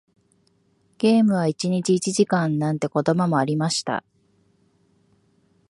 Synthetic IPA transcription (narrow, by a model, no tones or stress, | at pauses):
ɡ̥e̞ːmɯ̟β̞ait͡ɕiɲ̟it͡ɕiːt͡ɕiʑikãnːãnt̪e̞ko̞d̪o̞momo̞aɾʲimaɕi̥t̪a̰